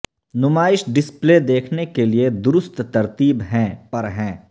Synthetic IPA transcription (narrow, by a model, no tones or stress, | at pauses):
nʊmaːɪʃɖɪspled̪eːkʰnekelied̪ʊɾʊst̪t̪ɐɾt̪iːbɦɛ̃ːpɐɾɦɛ̃ː